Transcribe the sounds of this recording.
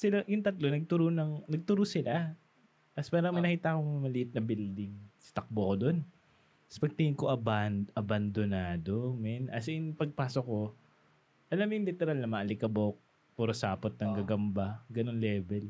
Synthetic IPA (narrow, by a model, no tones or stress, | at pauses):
sɪlajʊŋt̪ɐt̪lonɐɡ̚t̪ʊɾʊnɐŋnɐɡ̚t̪ʊɾʊsɪla | t̪ɐspaːɾɐŋmɐjnɐkiːt̪akoŋmɐmɐliʔɪt̪̚nɐbild̪ɪŋst̪ɐk̚bokod̪o̞n | spɐɡ̚t̪ɪhɪŋkoʔɐbanʔɐbɐnd̪onaːd̪o̞mɛnʔɐsɪŋpɐɡ̚paːsokːo̞ | ʔɐlamjʊŋlɪt̪ɛɾalnɐmɐʔɐlɪkɐbok̚ | puɾosa̰ːpot̪̚nɐŋɡɐɡɐmbaɡɐno̞nlɛːbɛl